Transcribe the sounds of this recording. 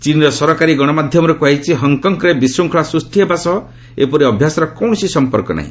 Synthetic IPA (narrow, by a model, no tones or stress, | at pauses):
t͡ʃiniɾɔsɔɾɔkaɾiɡɔɽ̃ɔmad̪ʱjɔmɔɾɔkuajt͡ʃʰiɦɔŋkɔŋkɾebisɾuŋkʰɔɭasɾust̪ʰiɦebasɔɦɔ | epɔɾiɔbʱjasɔɾɔkɔw̃sisɔmpɔɾkɔna̰ɦḭ̃